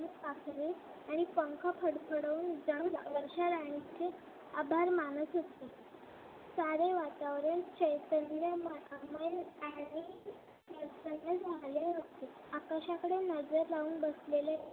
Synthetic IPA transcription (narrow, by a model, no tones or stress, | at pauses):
pakʰle | aɽ̃ipəŋkʰapʰəɽpʰəɽəuːnd͡zəɳʋəɾɕaɾaɳ̃it͡se | abʱaɾmanəsɦot̪e | saɾeʋat̪aʋɾəɳt͡ɕəjt̪ənlamməani | əɾsənːəd͡zʱalaɦot̪e | akaɕakəɽenəd͡zəɾlauːnbəslele